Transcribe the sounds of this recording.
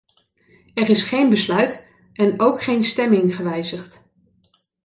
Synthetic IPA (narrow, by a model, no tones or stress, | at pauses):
ɛrɪsχejnbəslœɥt | ɛnowkχejnstɛmɪŋχəʋɛjzəχt